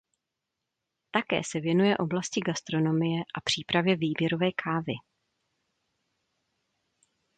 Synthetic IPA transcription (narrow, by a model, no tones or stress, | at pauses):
t̪akɛ̰ːsɛvjɛnujɛʔo̞blascɪɡast̪ɾo̞no̞mɪjɛʔapr̝̥iːpɾavjɛviːbjɛɾo̞vɛːkʰaːvɪ